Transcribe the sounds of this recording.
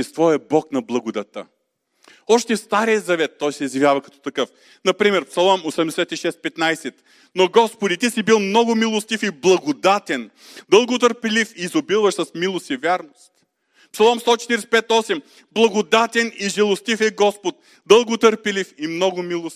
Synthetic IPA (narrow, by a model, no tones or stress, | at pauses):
ɛst̪vɔjəbɔknɐblˠɐɡʊd̪ɐt̪ə̰ | ɔʃt̪ɛfst̪aɾijəzɐvɛt̪ːɔjsɛizjɐvʲjavɐkɐt̪ɔ̥t̪ɐkɤf | nɐpɾimɛɾpsɐlˠɔmosɛmd̪ɛsɛt̪iʃɛst̪̚pɛt̪najsɛt̪ | noɡɔspod̪it̪isibilˠmnɔɡʊmilˠost̪ifiblˠɐɡod̪at̪ɛn | d̪əlˠɡot̪̬əɾpɛlifiːzobilˠvɐʃsɐsmilˠost̪ivʲjaɾnost̪ | psɐlˠɔmst̪ɔt͡ʃɛ̥t̪iɾɛsɛ̥pɛt̪ɔsɛm | blˠɐɡod̪at̪ɛniʒɛlˠost̪ifɛɡɔspot̪̚ | d̪əlˠɡot̪əɾpɛlifimnɔɡʊmilˠos